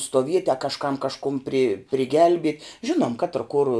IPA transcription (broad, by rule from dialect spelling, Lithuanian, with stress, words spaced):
stuɔˈʋʲiɛtʲɪ ɐ kɐʃˈkɐm kɐʃˈkʊm pʲrʲɪ pʲrʲɪˈɡʲɛlʲbʲiɛtʲ ˈʒʲɪnuɔm kɐtr kʊr